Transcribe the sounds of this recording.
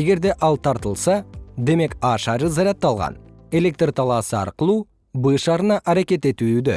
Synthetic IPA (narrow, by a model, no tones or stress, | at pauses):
eɡʲe̞ɾd̪e̞ʔɑlˠt̪ʰɑɾt̪əlˠsɑd̪e̞me̞kɑʃɑɾəzɑɾɑt̪ːɑlˠʁɑ̰ne̞le̞k̚t̪rt̪ʰɑlˠɑsəɑ̰ɾqəlˠu | bəʃɑɾənɑʔæɾekʲe̞t̪e̞t̪ud̪ɪ̰